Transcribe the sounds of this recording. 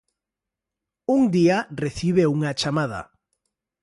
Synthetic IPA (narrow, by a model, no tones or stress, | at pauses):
uŋd̪iareθiβeuŋat͡ʃamað̞a̰